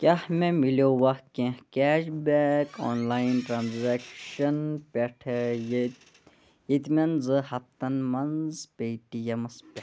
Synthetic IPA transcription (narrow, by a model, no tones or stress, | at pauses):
kʲahmemiloʋɐhkẽhkɛːʃbɛːkoːnlaːjinʈɾaːnzekʃɐnpʲeʈʰe | jit̪mɐnzɨhɐp̚t̪ɐnmɐnzpʲejʈijɐmɐspʲe